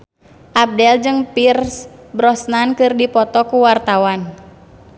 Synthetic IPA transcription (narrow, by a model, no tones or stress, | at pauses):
ʔab̚dɛld͡ʒɨŋpirsbɾɔsnankɨrdipɔt̪ɔkuwart̪awan